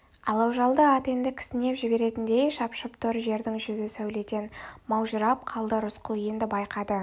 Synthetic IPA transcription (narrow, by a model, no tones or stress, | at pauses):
ɑlˠɑwʒɑlˠd̪əɑt̪e̞nd̪ɪkʲʰɪ̥sɪne̞pʒɪbe̞ɾe̞t̪ɪnd̪e̞jʃɑpʃəpt̪ʰʊɾʒe̞ɾd̪ɪŋʒʏzɪsæwle̞t̪e̞nmɑwʒəɾɑp̚qʰɑlˠd̪əɾʊsqʰʊlˠje̞nd̪ɪbɑjqɑd̪ə